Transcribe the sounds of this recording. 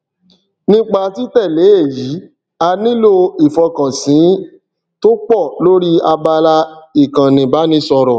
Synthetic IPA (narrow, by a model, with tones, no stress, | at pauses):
nĩ˦k͡pa˧ti˦tɛ˦˨le˨˦e˦˨ji˨˦ | a˧nĩ˦lo˦˧i˨fɔ˧kã˨sĩ˨˦ | to˦k͡pɔ˦˨lo˦ɾi˦a˧ba˧la˧i˨kã˨nĩ˨ba˨˦nĩ˦sɔ˧ɾɔ˨